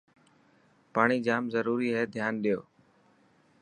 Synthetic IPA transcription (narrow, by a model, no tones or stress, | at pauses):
paːɳ̃iːd͡ʒaːmzəɾuːɾiːɦɛːd̪ʱjaːnɗijo̰ː